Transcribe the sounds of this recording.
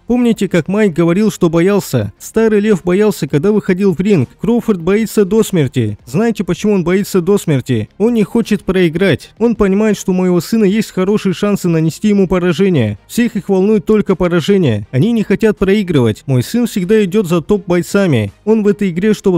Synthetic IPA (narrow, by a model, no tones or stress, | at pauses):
po̞mnʲɪtʲɪkakmajɡəvɐɾʲilˠʂt̪o̞bɐjalˠsʲə̰st̪aɾɨjlʲe̞fbɐjalˠsʲəkɐɡ̚d̪avɨxɐdʲilˠvɾʲinkkːɾo̞fərt̪̚bɐit̪sːəd̪o̞smʲɪrtʲɪznajɪtʲɪpət͡ɕɪmuo̞nbɐit̪sːəd̪o̞smʲɪrtʲɪ̰o̞nnʲɪxo̞t͡ɕɪt̪̚pɾəɪɡɾatʲo̞npənʲɪmajɪt̪ʂt̪oməjɪvo̞sɨnəjesʲtʲxɐɾo̞ʂɨjəʂansɨnənʲɪsʲtʲijɪmupəɾɐʐɛnʲɪjə̰fsʲexixvɐlˠnujɪt̪ːo̞lʲkəpəɾɐʐɛnʲɪjə̰ɐnʲinʲɪxɐtʲat̪̚pɾɐiɡɾɨvətʲmo̞jsɨnfsʲɪɡ̚d̪aɪdʲo̞t̪zɐt̪o̞p̚bɐjt̪samʲɪ̰o̞nvɛt̪əjɪɡɾʲeʂt̪o̞b